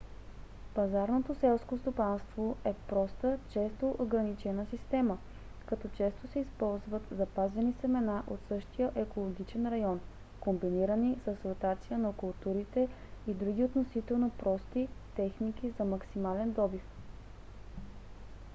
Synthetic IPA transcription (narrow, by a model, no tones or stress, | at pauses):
pɐzaɾnot̪osɛlˠskost̪opanst̪voɛpɾɔst̪ət͡ʃɛst̪oʔoɡɾɐnit͡ʃɛnəsist̪ɛmə | kɐt̪ɔt͡ʃɛst̪osɛispɔlˠzvət̪zɐpazvɛnisɛmɛnaʔot̪sɤʃt̪ijəʔɛkolˠoɡʲit͡ʃɛnɾɐjɔn | kombiniɾənisəsɾot̪at̪sijənɐkʊlˠt̪uɾit̪ɛ | id̪ɾuɡʲiot̪nosit̪ɛlˠnopɾɔst̪it̪ɛxnik̟izɐmɐksimalɛnd̪ɔbif